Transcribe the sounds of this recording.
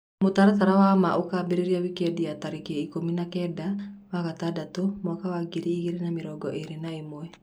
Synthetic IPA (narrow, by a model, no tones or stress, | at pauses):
mut̪aɾat̪aɾawamaʔukabiɾiɾiawikɛdiat̪aɾikeikominakɛdawakat̪adat̪umɔkawaɡiɾiːkiɾinamiɾɔɡɔʔeɾinaimuɛ